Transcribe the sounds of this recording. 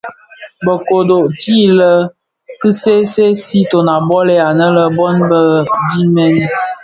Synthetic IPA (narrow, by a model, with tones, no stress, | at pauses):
bə˨ko˨do˨ʔti˦lə˦ | kɨ˦se˦se˦si˦to˨na˨bɔ˦le˦a˨nə˦lə˦bɔ˦nbə˦di˦mɛ˦n